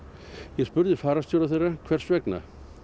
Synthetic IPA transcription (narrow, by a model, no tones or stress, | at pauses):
jɛspʏɾðɪfaːɾast̪jowɾaθejrakʰv̥ɛr̥svɛkna̰